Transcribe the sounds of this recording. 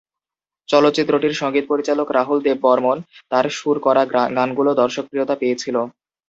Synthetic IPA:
t͡ɕɔlot̪ːɕit̪ːɾoʈiɾʃɔŋɡit̪̚poɾit͡ɕalokɾaɦuld̪ebːɔɾmont̪aɾʃuɾkɔɾaɡanɡulod̪ɔɾʃok̚pɾiot̪apejet͡ɕʰilo

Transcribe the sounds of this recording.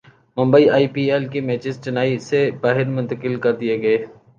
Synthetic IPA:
mʊ̃mbəiaːiːpiːɛːlkimɛːt͡ʃɪzt͡ʃɪnaːisebaːɦɪɾmʊ̃nt̪əkɪlkɐɾd̪ieɡɐeː

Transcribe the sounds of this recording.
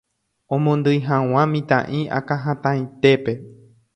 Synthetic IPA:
õmõnd̪ɨjɦãw̃ãmĩt̪ã̰ʔĩʔa̰kãɦãt̪ãjĩt̪e̞pe̞

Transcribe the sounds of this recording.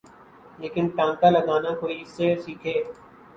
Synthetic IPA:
leːkɪnʈãːŋkaːləɡaːnãːkoːiːseːsiːkʰeː

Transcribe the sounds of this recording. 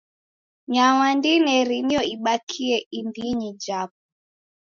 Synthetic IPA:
ɲawandinɛɾinijɔiɓakʰiɛindiɲid͡ʒap̚ɔ

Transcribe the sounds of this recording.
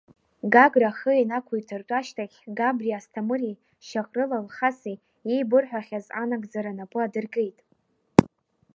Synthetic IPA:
ɡaɡraχəenakʷʰujtʰɨrtʼaʃtʰaχʲɡabriastʰamɨri | ʃaχʼrɨlalχasi | jejbɨrħʷᶣaχʲaza̰naɡzaɾanapʼɨadɨrɡe̞jtʼ

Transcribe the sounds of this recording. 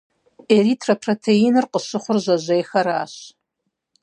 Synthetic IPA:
eɾiːtʰrɐpʰrotʰeinɨrqəɕɨχʷʊrʒʷɐʑʷejxɐɾaːɕ

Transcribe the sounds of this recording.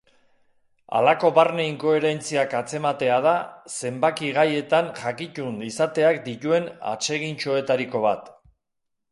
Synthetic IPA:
a̰lako̞βarne̞iŋko̞e̞ɾe̞nt͡siakat͡se̞mat̪e̞að̞ase̞mbakiɣaje̞t̪aŋʝakit͡ʃunisat̪e̞ak̚d̪it̪ue̞na̰t͡se̞ɣint͡ʃoe̞t̪aɾiko̞β̞at̪

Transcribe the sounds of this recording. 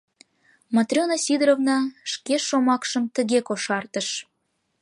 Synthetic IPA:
mɑt̪rʲonɑsʲid̪ɾovnɑʃkeʃomɑkʃəmt̪əɣekoʃɑrt̪əʃ

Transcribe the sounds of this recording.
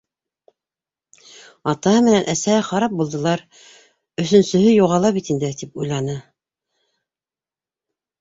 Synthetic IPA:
ɑt̪ɑɦɤmɘ̆nænʔæsæhɘχɑɾɑp̚bulˠd̪ɤ̆lˠɑɾ | ɵ̆θɵ̆nsɵ̆ɦɵjuʁɑlˠɑβit̪ind̪ɘt̪ipujlˠɑnɤ

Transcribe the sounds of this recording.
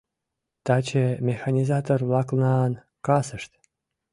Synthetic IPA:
t̪ɑt͡ɕemʲexɑnʲizɑt̪orlɑklnɑn | kɑsəʃt̪

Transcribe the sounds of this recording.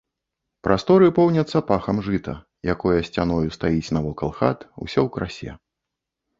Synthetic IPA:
pɾʔast̪ɔɾɨpɔwnʲɐt̪sːɐpaxɐmʐɨt̪ɐ̰ | jakɔjɐsʲt͡sʲanɔjust̪ajit͡sʲnɐvɔkɐlˠxa̰t̪ṵsʲɔwkɾasʲɛ̰

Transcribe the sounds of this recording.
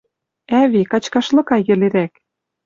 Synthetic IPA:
æβikɑt͡ɕkɑʃlɤ̆kɑjɘ̆leɾæk

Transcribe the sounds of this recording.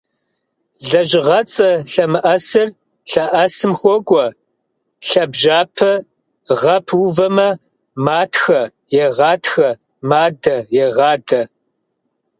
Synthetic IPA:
ɮɐʒɪʁɐt͡sʼɐɬɐmɨʔɐsɨr | ɬɐʔɐsɨmxʷɔkʷʼɔ | ɬɐbʒaːpʰɐ | ʁɐpʰwuvɐmɐ | maːtʰxɐ | jɛʁɑːtxɐ | maːdɐjɛʁɑːdɐ

